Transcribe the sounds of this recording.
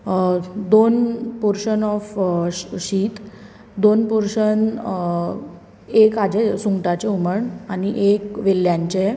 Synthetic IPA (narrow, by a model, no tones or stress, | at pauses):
d̪onpuɾʂənɔf | ɕiːt̪ | d̪onpuɾʂən | ekad͡ʑesuŋʈat͡ɕeuməɳañiʔekʋeljãɲt͡ɕe